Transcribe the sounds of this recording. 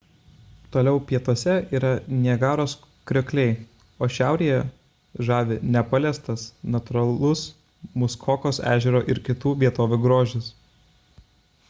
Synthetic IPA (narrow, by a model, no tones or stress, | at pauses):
t̪oːlʲɛʊpʲiɛt̪uɔsʲɛiːɾɐnʲiɛɡɑːɾoːs | kɾʲokʲlʲɛɪ | oːʃʲæˑʊɾʲiːjɛ | ʒɑːʋʲɪnʲɛpɐlʲɛst̪ɐsnɐt̪ʊɾɐlˠʊs | mʊskʰoːkoːsæ̰ːʒʲɛɾoːʔɪɾkʲɪt̪uːʋʲiɛt̪oːʋʲuːɡɾoːʒʲɪs